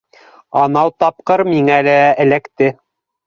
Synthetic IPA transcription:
ɑnɑwt̪ɑp̚qɤɾmiŋælæɘ̆lækt̪ɘ

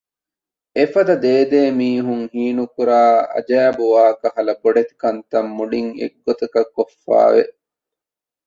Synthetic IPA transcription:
efɐd̪ɐd̪eːd̪eːmiːɦuŋhiːnukuɾaːɐ̰d͡ʒæːbuʋaːkɐhɐlɐboɖet̪i̥kɐnt̪ɐmːuɖiŋḛɡːot̪ɐkɐkːofːa̰ːʋḛʔ

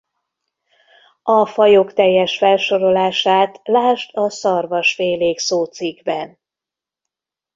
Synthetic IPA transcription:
ɒfɒjokt̪ɛjːɛʃfɛlʃo̞ɾo̞laːʃaːt̪laːʃt̪ɒsɒrvɒʃfeːleːksoːt̪siɡbɛn

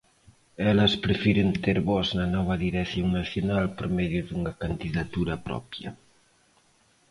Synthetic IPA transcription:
ɛlɐspɾefiɾent̪eɾβɔznɐnɔβ̞ɐðiɾekθjoŋnaθjonalpoɾmɛðjʊðuŋɐkand̪iðat̪uɾɐpɾɔ̰pjɐ̰

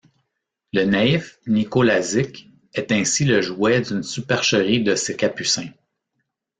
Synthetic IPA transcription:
lənaifnikolazɪk | ɛt̪ɛ̃siləʒwɛd̪ynsypɛʁʃəʁid̪əsekʲapysɛ̃

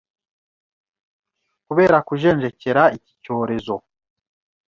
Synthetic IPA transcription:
kuβe̞ːɾakuʒe̞ːɲʒe̞ce̞ɾaici̥co̞ːɾe̞zo̞

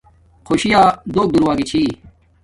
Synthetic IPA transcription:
kʰoːɕijaːd̪oːk̚d̪uɾwaːɡit͡ɕʰiː

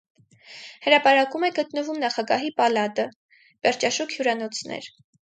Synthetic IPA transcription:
həɾɑpɑɾɑkumɛɡət̪nəvumnɑχɑɡɑɦipɑlɑt̪ə | bɛɾt͡ʃɑʃukʰhjuɾɑnɔt͡sʰnɛ̰ɾ

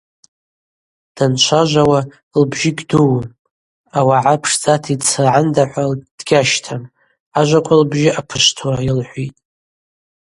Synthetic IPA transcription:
d̥ant͡ʃʷʰaʒʷawa | lbʒɪɡʲduwm | awaʕapʰʂt͡sʼatʰit͡sʰɨʕandaħʷad̥ɡʲaʃtʰam | aʒʷakʷʰʼalbʒɪʔapʰɨʃtʰwailħʷitʼ

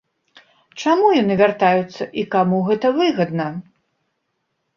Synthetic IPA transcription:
t͡ʂamujanɨvʲart̪ajut̪sːɐʔikamuɣɛt̪ɐvɨɣɐd̪nɐ

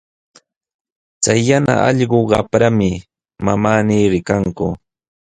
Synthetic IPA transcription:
t͡sajːana̰ʔɑʎɢoɢɑpɾamɪ | mamaːniːɾɪkaŋkʊ

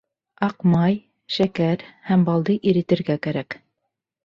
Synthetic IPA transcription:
ɑqmɑj | ʃækæɾhæmbɑlˠd̪ɤʔiɾɘ̆t̪ɘ̆ɾɡækæɾæk

